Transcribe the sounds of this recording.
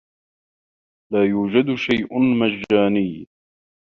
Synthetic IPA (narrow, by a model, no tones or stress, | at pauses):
laːjuːd͡ʒad̪ʃajʔʊnmad͡ʒːaːnɪj